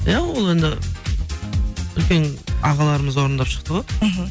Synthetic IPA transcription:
jawolˠe̞nd̪ɪ̰ | ʏlkʲe̞nɑʁɑlˠɑɾəməzwo̞ɾənd̪ɑpʃə̥qt̪əʁo̞j̩ɦ̩

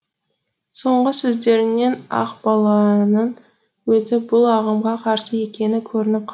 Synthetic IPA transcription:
so̞ɴʁəsɵzd̪e̞ɾɪnːe̞nɑ̰qbɑlˠɑnəɴ | wɵzɪbʊlˠɑʁəmʁɑqʰɑɾsəje̞kʲe̞nɪkʲʰɵɾɪnɪp̚qʰ

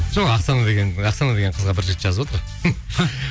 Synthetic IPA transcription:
ʒ̥oqɑqsɑnɑd̪eɡʲenɑqsɑnad̪e̞ɡʲeɴqʰəzʁɑbɪɾʒet̪ʒɑzəwo̞t̪əɾ

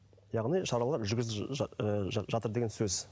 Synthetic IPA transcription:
jɑʁnijʃɑɾɑlˠɑɾʒʏɾɡʲɪzəʒɑt̪əɾd̪eɡʲensɵz

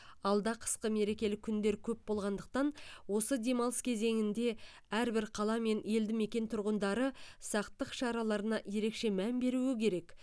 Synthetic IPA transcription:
ɑlˠd̪ɑqʰə̥sqəme̞ɾe̞kʲe̞lɪkʲʰːʏnd̪e̞ɾkʲʰɵp̚bo̞lˠʁɑnd̪əq̚t̪ɑnwo̞səd̪e̞mɑlˠəskʲʰe̞ze̞ŋɪnd̪e̞ | æɾbɪɾqʰɑlˠɑme̞ne̞ld̪ɪme̞kʲe̞nt̪ʰʊɾʁənd̪ɑɾəsɑqt̪əqʃɑɾɑlˠɑɾənɑje̞ɾe̞kʃe̞mænbe̞ɾuɪkʲʰe̞ɾe̞k

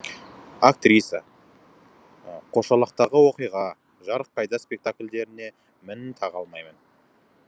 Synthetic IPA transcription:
ak̚t̪ɾisʲa̰ | qʰo̞ʃɑlˠəq̚t̪ɑʁəwo̞qijʁɑ | ʒɑɾəq̚qʰːɑjd̪ɑspʲe̞k̚t̪akʲlʲd̪e̞ɾɪne̞ | mɪnɪt̪ʰɑʁɑlˠmɑjmən

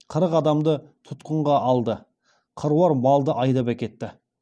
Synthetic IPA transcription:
qʰəɾəqɑd̪ɑmd̪ət̪ʰʊt̪qəɴʁɑʔɑlˠd̪ə | qʰəɾuwɑɾmɑlˠd̪əʔɑjd̪ɑpækʲe̞t̪ːɪ

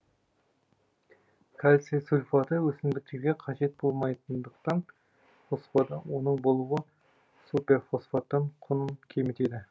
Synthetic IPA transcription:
kʲʰalʲsesulʲfɑt̪əwɵsɪmd̪ɪk̚t̪e̞ɾɡʲeqʰɑʒe̞t̪̚bo̞lˠmɑjt̪ənd̪əqt̪ɑn | fosfad̪ɑwo̞nəɴbo̞lˠuwə | supʲefosfat̪ːəɴqʰʊnənkʲʰemɪt̪e̞d̪ɪ

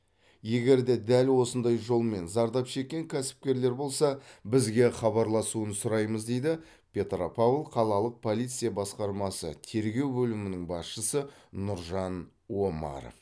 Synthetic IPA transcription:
je̞ɡʲe̞ɾd̪e̞d̪ælwo̞sənd̪ɑjʒo̞lˠme̞nzɑɾd̪ɑpʃe̞kʲːe̞ŋkʲʰæsɪ̥p̚kʲe̞ɾle̞ɾbo̞lˠsɑbɪzɡʲe̞χɑβɑɾlˠɑsuənsʊɾɑjməzd̪e̞jd̪ɪ | pʲʰe̞t̪ropʰavlˠqʰɑlˠɑlˠəq̚pʰo̞lˠijt̪sɨjɑbɑsqɑɾmɑsə̰t̪ʰe̞ɾɡʲe̞wbɵlɪmɪnɪŋbɑsʃəsəːʊɾʒɑn | wo̞mɑ̰ɾ

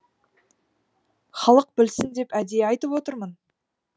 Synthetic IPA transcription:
χɑlˠəq̚bɪlsɪnd̪e̞pæd̪eɑjt̪əpwo̞t̪əɾmən

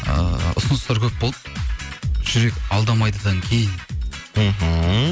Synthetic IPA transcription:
ə̰ʊ̰sənəst̪ɑɾkʲʰɵp̚bolˠp | ʒ̥ʏɾe̞kʲɑlˠd̪ɑmɑjd̪əd̪ɑŋkʲʰe̞jɪnm̩ɦ̩

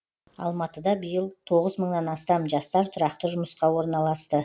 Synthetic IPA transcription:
ɑ̰lˠmɑt̪əd̪ɑbəjəlˠt̪ʰo̞ʁəzməɴnɑnɑst̪ɑmʒɑst̪ɑɾt̪ʰʊɾɑqt̪əʒʊməsqɑwo̞ɾnɑlˠɑst̪ə

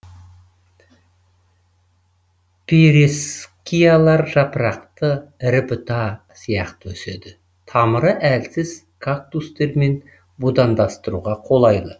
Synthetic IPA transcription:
pʰeɾeskʲijalˠɑɾʒɑpɾɑqt̪əɾɪpɪt̪ɑ | sijɑqt̪əwɵse̞d̪ɪ | t̪ʰɑməɾəʔælsɪz̥ | kʰak̚t̪ust̪e̞ɾme̞n | bud̪ɑnd̪ɑst̪əɾuʁɑqʰo̞lˠɑjd̪ˠə

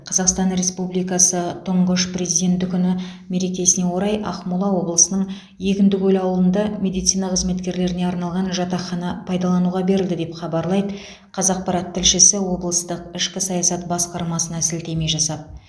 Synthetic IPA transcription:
qʰɑzɑqst̪ɑnɾe̞spublijkɑsət̪ʰʊɴʁəʃprʲe̞zijd̪ʲe̞nt̪ɪkʲʰʏnɪme̞ɾe̞kʲe̞sɪne̞wo̞ɾɑjɑ̰χmulˠɑwo̞blˠəsənəɴ | je̞kʲɪnd̪ɪkɵlɑwlˠənd̪ɑmʲe̞d̪ijt̪sijnɑqəzme̞t̪kʲe̞ɾle̞ɾɪne̞ɑɾnɑlˠʁɑnʒɑt̪ɑχɑnɑpʰɑjd̪ɑlˠɑnuʁɑbe̞ɾɪld̪ɪd̪e̞pχɑbɑɾlˠɑjd̪ə | qʰɑzɑq̚pɑɾɑt̪ʰːɪlʃɪsɪwo̞blˠəst̪əqɪʃkʲɪsɑjɑsɑt̪bɑsqɑɾmɑsənɑsɪlt̪e̞me̞ʒɑsɑd̪

